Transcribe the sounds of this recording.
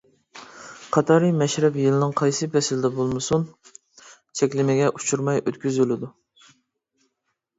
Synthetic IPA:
qʰɑt̪ʰɑɾɨmɛʃɾɛpjɨlɪnɨŋqʰɑjsɨpʰɛsɪlɪd̪ɛbolˠmɨsun | t͡ʃʰɛkʲlɪmɪɡʲɛʔut͡ʃʰuɾmɑjʔøt̪kʲyzylɪd̪u

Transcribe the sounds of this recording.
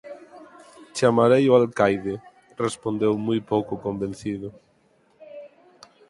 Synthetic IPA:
t͡ʃamaɾejoalkajðe | respond̪ewmujpowkʊkõmbẽn̟θiðʊ

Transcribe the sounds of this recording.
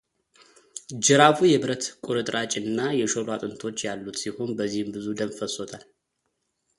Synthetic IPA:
d͡ʒɨɾafujɛbɨɾət̪kʼuɾɨt̪ʼɾʔat͡ʃʼɨnːajɛʃolwat̪ʼɨnt̪ʰo̞t͡ʃːjalːut̪siho̞nbəzːihɨmbɨzud̪ənfəso̞t̪ʰal

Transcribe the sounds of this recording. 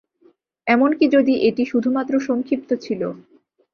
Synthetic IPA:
ɛmonkid͡ʑod̪iʔeʈiʃud̪ʱumat̪ːɾoʃoŋkʰɾip̚t̪ot͡ɕʰilo

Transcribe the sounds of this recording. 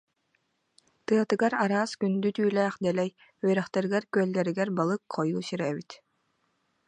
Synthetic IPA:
t̪ɯɐt̪ɯɡaɾaɾaːskynd̪yt̪yːlɛːχd̪ɛlɛj | œɾɛχt̪ɛɾiɡɛɾkyœlʲɡɛɾiɡɛɾbalˠɯkqɔjuːsiɾɛbit̪

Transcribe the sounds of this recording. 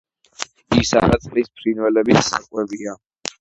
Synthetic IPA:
isa̰ɾat̪sʼlispʰɾinwɛlɛbit̪ːa̰kʼwɛbia

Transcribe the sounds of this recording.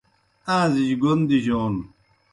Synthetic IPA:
ãːziɕɡond̪iɕoːn

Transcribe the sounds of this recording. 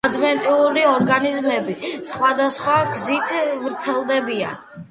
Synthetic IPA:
d̪vɛnt̪ʼiuɾiɔɾɡanizmɛbisχwad̪asχwaɡzit̪ʰvɾt̪sʰɛlˠd̪ɛbia̰

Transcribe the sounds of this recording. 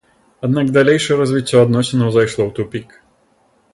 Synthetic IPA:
ad̪naɡd̪alʲejʂɐjɛɾɐzʲvʲit͡sʲːɔad̪nɔsʲɛnɐwzajʂlˠɔwt̪upʲik

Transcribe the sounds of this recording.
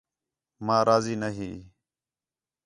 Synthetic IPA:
mãːɾʔaːziːnəɦiː

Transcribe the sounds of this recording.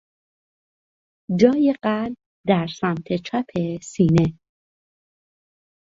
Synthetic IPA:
d͡ʒɒːjeɢælb | d̪æɾsæmt̪ʰe̞t͡ʃʰæpʰe̞siːne

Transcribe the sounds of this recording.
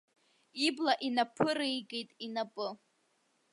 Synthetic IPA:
iblaʔinapʰɨrejɡejtʼinapʼɨ

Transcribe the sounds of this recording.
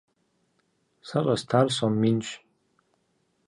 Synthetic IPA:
sarʼastʰarsamːint͡ʃʷʰ

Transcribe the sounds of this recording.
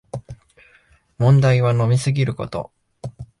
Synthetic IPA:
mõ̞nd̪aiβ̞ano̞mʲisɨɡʲiɾɯ̟ko̞̰t̪o̞̰

